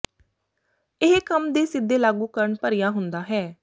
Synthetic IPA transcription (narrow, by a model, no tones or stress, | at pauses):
ɪɦkəmd̪eːsɪd̪ːeːlaːɡuːkəɾəɳpəɾɪjaːɦʊnd̪aːɦɛː